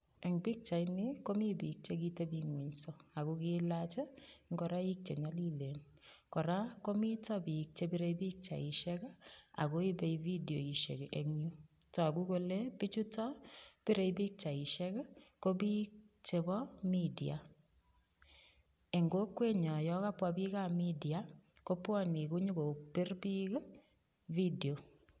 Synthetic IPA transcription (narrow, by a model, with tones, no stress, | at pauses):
ɛ˨ŋbi˦k̚t͡ʃa˨ini˦ko˦mi˦bi˨k̚t͡ʃe˦ki˦te˦bi˨ŋwi˨nso˦a˨ɡu˦ki˦la˦t͡ʃe˦ŋɡɔ˨ɾa˦i˦k̚t͡ʃe˨ɲa˦li˦le˨n | kɔ˨ɾa˦ko˦mi˦tɔ˦bi˨k̚t͡ʃe˦bi˦ɾe˦ibi˦k̚t͡ʃa̰˨ɪ˨ʃɛ˦ka˦a̰˨ɡo˦i˦bɛ˦ivi˦di˨o˨i˨ʃḛ˨ke˨ʔe˨ŋɲu˦ | tɔ˨a˨ɡu˦ko˦le˦pi˦t͡ʃu˦tɔ˦pi˦ɾe˨ibi˦k̚t͡ʃa˨i˨ʃɛ˦kko˦bi˦k̚ | t͡ʃe˨bɔ˦mi˦dia̰˨ | e˨ŋɡo˦kwe˦ɲɔ˨jɔ˦ka˦pwa˦bi˦ka˦mi˦di˨a˨ | ko˦pwɔ˦ni˨ku˦ɲu˦ko˨pɪ˦rbi˦k | vi˦de˨o˨